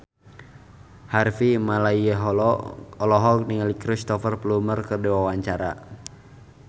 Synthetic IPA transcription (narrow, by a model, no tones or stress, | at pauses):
harfimalaiəɦɔlɔlɔɦɔk̚niŋalikɾist̪ɔfərplumərkərdiwawaɲt͡ʃaɾa̰